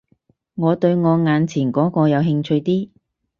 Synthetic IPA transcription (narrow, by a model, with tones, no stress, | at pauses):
ŋɔː˨˧t̪ɵ˧ɥŋɔː˨˧ŋaː˨˧nt͡sʰiː˨˩nkɔː˨˥kɔː˧jɐ˨˧wɦɪ˧ŋt͡ʃʰɵ˧ɥt̪iː˥